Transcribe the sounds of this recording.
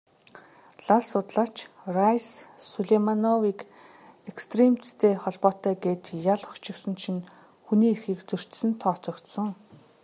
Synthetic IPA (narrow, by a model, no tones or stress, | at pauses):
ɮaɮsʊt̪ɮaːt͡ɕ | rajsːuɮemanɔwik | ekst̪remt͡sst̪ʰeːχɔɮpɔːt̪œːɡeːt̪jaɮʊkt͡ɕɪ̆ksɘ̆nʃin | xuniːerxiːkt͡sɵr̥t̪sɘ̆nt̪ʰɔːt͡sɞ̆kt̪sə̆ŋ